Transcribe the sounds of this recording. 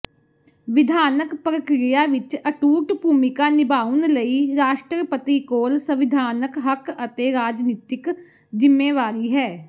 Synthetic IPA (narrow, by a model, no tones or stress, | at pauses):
ʋɪd̪ʱaːnəkpɾəkɾɪjaːʋɪt͡ʃəʈuːʈbʱuːmɪkaːnɪbaːʊnləiːɾaːʃʈɾpət̪iːkoːlsəʋɪd̪ʱaːnəkɦəkət̪eːɾaːd͡ʒniːt̪ɪk | d͡ʒɪmːeːʋaːɾiːɦɛː